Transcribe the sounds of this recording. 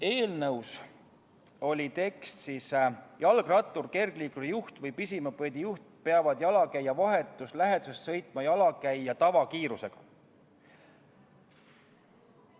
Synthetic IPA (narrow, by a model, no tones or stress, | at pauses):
e̞ːlnɤws | o̞lʲit̪e̞kst̪sisjɑlɡ̥rɑt̪ˑːurke̞rɡ̥liːkudjuht̪vɤjpisimɑpɤd̪ijuht̪̚peɑvɑd̪̥jɑlɑkæjːɑvɑɦe̞t̪ːˑuslæɦe̞d̪̥u̥sest̪sɤ̞jt̪ˑmɑjɑlɑkæjjɑt̪ɑvɑkiːɾuse̞ɡ̥ɑ̥